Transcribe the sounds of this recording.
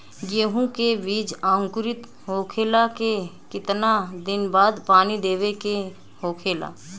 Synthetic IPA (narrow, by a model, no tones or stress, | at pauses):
ɡeːɦũkebiːd͡ʒãːŋkʊɾɪt̪ | ɦoːkʰeːlake | kɪt̪nad̪ɪnbaːd̪paːnid̪eːʋeke | hoːkʰeːla̰ː